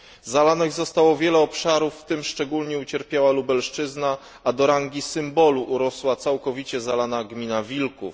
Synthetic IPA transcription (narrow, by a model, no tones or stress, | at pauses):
zalanɛɣzɔst̪awɔvʲjɛlɛɔpʂaɾufːt̪ɘmʂt͡ʂɛɡulɲɛut͡ɕɛɾpʲjawalubɛlʂt͡ʂɘzna | ad̪ɔɾaŋɡʲisɘmbɔluʔːɾɔswat̪sawkɔvʲit͡ɕɛzalanaɡmʲinavʲilkṵf